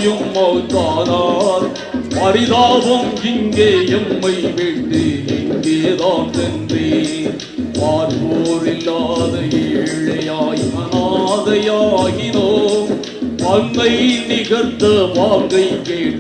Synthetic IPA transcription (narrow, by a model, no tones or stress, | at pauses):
jɯmːɐɣɯt̪ːaːnaːɾ | pɐɾɪðaːʋɐmɪŋɡeːɛmːɐɪʋeʈːɯɪŋɡeːðaːnt̪ɛndre | ʋaːɾpoːɾɪlːaːðɐjɪɻɐjaːjmɐnaːðɐjaːɣɪloː | pɐnmɐjɪlːiɣɐɾt̪ːɐʋaːŋɡɐɪkeː